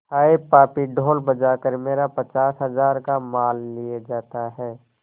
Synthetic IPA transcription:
haːepaːpiɖʱoːlbəd͡ʒaːkəɾmeːɾapət͡ʃaːsɦəzaːɾkamaːlːijed͡ʒaːt̪aɦɛː

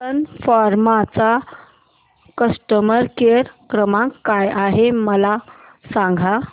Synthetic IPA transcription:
ənfaɾmat͡sa | kəsʈəməɾkeɾkɾəmãkːajaɦeməla | sãŋɡʱa

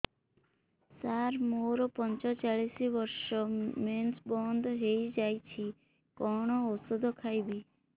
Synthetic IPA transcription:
saɾmoɾɔpɔnt͡ʃɔt͡ʃaɭisibɔɾsɔmensbɔnd̪ɔɦejd͡ʒajt͡ʃʰi | kɔɽ̃ɔosɔd̪ʱɔkʰajbi

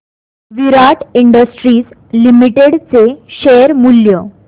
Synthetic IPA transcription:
ʋiɾaʈiɳɖəsʈɾiːs | limiʈeɽt͡seɕeɾmuljə

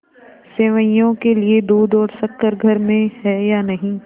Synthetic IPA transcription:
seːʋəɪjõkelied̪uːd̪ɔːɾsɐkːəɾɡʱɐɾmẽɦɛːjaːnɐɦĩː

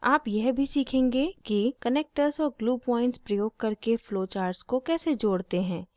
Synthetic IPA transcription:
aːpjɛɦbʱisiːkʰẽːŋɡekikɐneːk̚ʈəɾzɔːɾɡluːpɔːɪ̃ɳʈspɾɐjoːɡ̚kɐɾkefloːt͡ʃaːɾɖskokɛːsed͡ʒoːɽt̪eɦɛ̃ː

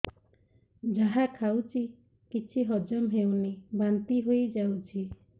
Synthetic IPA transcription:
d͡ʒaɦakʰawt͡ʃʰi | kit͡ʃʰiɦɔd͡ʒɔmɦewnibant̪iɦojd͡ʒawt͡ʃʰi

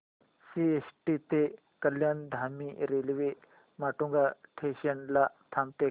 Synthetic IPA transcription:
siesʈit̪e | kəljand̪ʱamiɾelʋe | maʈuŋɡaʈʰeɕənlat̪ʰamt̪e

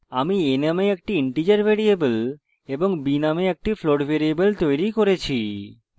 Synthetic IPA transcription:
amienameek̚ʈiiɳʈid͡ʑaɾbʱeɾiebəl | eboŋbinameek̚ʈifloɖbʱeɾiebəlt̪ojɾikoɾet͡ɕʰi

